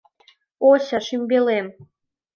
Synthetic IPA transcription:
oɕɑʃimʲbelem

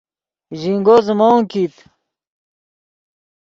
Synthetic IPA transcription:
ʑiŋɡozmoŋkit̪

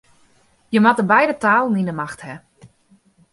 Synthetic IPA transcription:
jəmatəbɛjdətaːlˠninəmaxthɛ

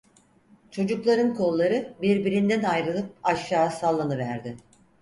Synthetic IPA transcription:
t͡ʃʰo̞d͡ʒuklˠaɾɯnkʰo̞lˠːaɾɯbiɾbiɾind̪ænajɾɯlˠɯp̚aʃːaːsalˠːanɯvæɾd̪ɪ

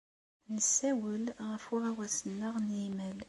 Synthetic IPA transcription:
nəsːæwəlʁəfʊʁæwæsənːəʁnjiməl

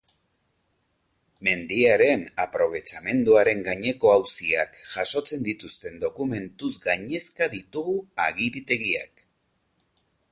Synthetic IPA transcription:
me̞nd̪iaɾe̞napɾo̞β̞e̞t͡ʃame̞nd̪uaɾe̞ŋɡaɲe̞ko̞awsiakʝaso̞t͡se̞nd̪it̪ust̪e̞nd̪o̞kume̞nt̪uzɡaɲe̞skaðit̪uɣuaɣiɾit̪e̞ɣia̰k

